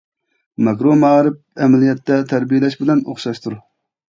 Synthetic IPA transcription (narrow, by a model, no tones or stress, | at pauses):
mɑkɾomɑːɾɪp̚ɛmɛlijɛt̪ːɛt̪ʰæɾbijelɛʃbɪlɛno̰χʃɑʃt̪ʰuɾ